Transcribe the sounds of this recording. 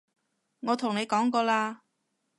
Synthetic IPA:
ŋɔː˨˧t̪ʰʊ˨˩ŋne˨˧jkɔː˨˥ŋkɔː˧laː˧

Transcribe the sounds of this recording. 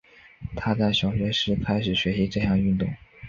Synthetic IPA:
t̪ʰa˥t͡sa˥˩ɪɕjɑ˨˩ʊɕɥɛ˧˥ʂɻ̩˧˥kʰa˥ɪʂɻ̩˨˩ɕɥɛ˧˥ɕi˧˥ʈ͡ʂɤ˥˧ɕjɑ˥˧ŋy˥˧nt̪ʊ̰˥˩ŋ

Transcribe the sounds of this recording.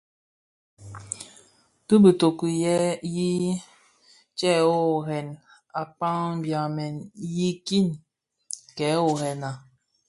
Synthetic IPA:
bi˦bə˨to˨ku˨jɛ˦ji˦ | t͡ʃɛ˦o˦ɦɛ˨n | a˨k͡pa˦ŋ˦bja˨mɛ˨nji˦ki˦˨n | kɛ˨˦o˨hɛ˨na˨

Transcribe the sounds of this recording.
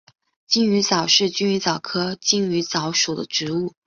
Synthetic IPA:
t͡ɕi˥˩ŋy˧˥t͡sɑ˨˩ʊʂɻ̩˥˩t͡ɕy˥ny˧˥t͡sɑ˨˩ʊkʰɤ˥t͡ɕi˥˩ŋy˧˥t͡sɑ˧˥ʊʂu˨˩d̪ə̰˦ʈ͡ʂɻ̩˧˥u˥˩

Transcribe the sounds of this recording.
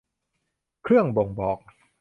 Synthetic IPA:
kʰɾɯ˥˩əŋbo˨˩ŋbɔː˨˩k̚

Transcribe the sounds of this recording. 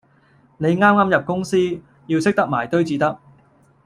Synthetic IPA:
ne˨˧jŋaː˥mŋaː˥mjɐ˨p̚kʊ˥ŋsiː˥ | jiː˧wsɪ˥k̚t̪ɐ˥k̚maː˨˩jt̪ɵ˥ɥt͡siː˨˧t̪ɐ˥k̚

